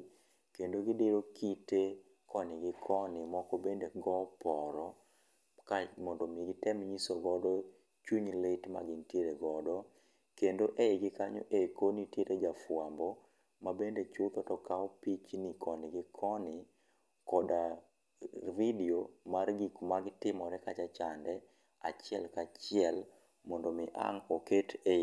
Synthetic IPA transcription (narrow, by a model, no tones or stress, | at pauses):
kendoɡɪdeɾokʰite | kɔnɪɡɪkʰɔnɪmɔkɔbendeɡɔpɔɾɔ | kamɔndɔmeɡɪtɛmɲisoɡɔdɔ | t͡ʃuɲlɪtma̰ɡɪntjeɾeɡɔdɔ | kendoʔeɡɪkaɲo̰ʔekonitjeɾed͡ʒafwambɔ | mabendet͡ʃʊt̪ɔtɔkaɔpit͡ʃnikʰɔnɪɡɪkʰɔnɪ | kɔda | vidiomarɡikmaɡɪtɪmɔɾɛkat͡ʃat͡ʃandɛ | at͡ʃɪɛlkat͡ʃɪɛl | mɔndomɪʔa̰ŋokete